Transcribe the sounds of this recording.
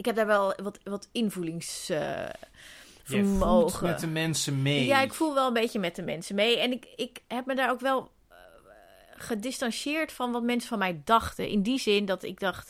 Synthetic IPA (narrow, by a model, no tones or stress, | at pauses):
ɪkɦɛp̚daːɹʋɛlˠʋɔtʋɔtɪnvulɪŋs | fəɹmoːɣəɛəmɛnsəmejaɪkfulˠʋɛlˠənbeːjəmɛtdəmɛ̰nsəmejɛnɪkɪkhɛpmədaːɹowkʋɛlˠ | χədɪstanʃjɪːɹtfɔnʋɔtmɛnsəfɔnmɛjdɑxtəʔɪ̰ndizɪndɔtɪ̰ɡ̚dɑχt